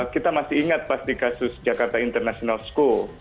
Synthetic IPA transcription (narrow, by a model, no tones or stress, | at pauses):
kit̪amasɪhiŋat̪̚past̪ikasʊsd͡ʒakart̪aint̪ərnasionalsko